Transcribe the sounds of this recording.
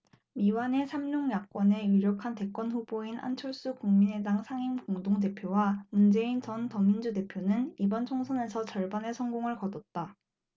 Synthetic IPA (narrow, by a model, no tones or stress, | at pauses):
miwane̞sʰamːuŋjak͈wʌne̞ɥiɾjokʰante̞k͈wʌnɸub̥oina̰nt͡ɕʰʌɭs͈ukuŋmine̞daŋsʰaŋimkoŋdoŋte̞pʰjowamund͡ʑe̞int͡ɕʌntʌŋːind͡ʑude̞pʰjonɯnibʌnt͡ɕʰoŋsʰʌne̞sʰʌt͡ɕʌɭbane̞sʰʌŋɡoŋɯɭkʌdʌt̚t͈a